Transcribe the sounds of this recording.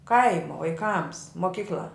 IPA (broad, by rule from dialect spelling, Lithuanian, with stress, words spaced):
ˈkɐɪmoː ʋɐɪˈkɐms moːˈkʲiːklʲɐ